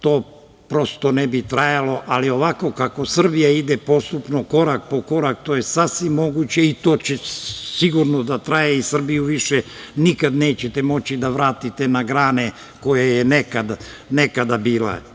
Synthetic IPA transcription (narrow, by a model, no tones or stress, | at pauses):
t̪o̞ː | pɾo̞st̪o̞nebit̪ɾajalo̞ʔalio̞ʋako̞kako̞sr̩bijaid̪epo̞st̪upnoko̞ɾak̚po̞ko̞ɾakt̪o̞ːjesasʋimːo̞ɡut͡ɕe̞it̪o̞ːt͡ɕesiɡuɾnod̪at̪ɾajeisr̩bijuʋiʃenikad̪ne̞ːt͡ɕet̪e̞mo̞t͡ɕid̪aʋɾaːt̪it̪e̞naɡɾaːne̞ | ko̞jajenekad̪nekad̪abiːla̰